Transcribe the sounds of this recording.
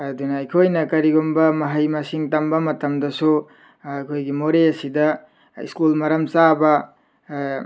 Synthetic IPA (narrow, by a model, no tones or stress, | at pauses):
ɐdunɐɐjkʰojnɐkɐɾiɡumbɐmɐɦɐjmɐsiŋtɐmbɐmɐtɐmdɐsu | ɐjkʰojɡimoɾeɐsidɐ | ḭskulmɐɾɐmt͡ʃabɐ